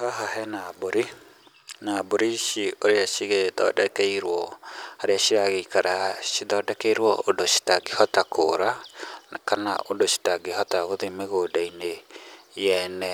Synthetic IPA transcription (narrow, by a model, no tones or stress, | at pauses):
haɦaɦɛnaboɾi | naboɾiʃioɾeaʃiɣeðɔ̰dɛkɛiɾwɔhaɾeaʃiɾaɣeikaɾaʃiðɔːdɛkeiɾwɔondoʃi̥taɡehɔtakʰoɾanakana̰ʔondoʃi̥taɡeɦɔtaɣoðemeɣodainejɛnɛ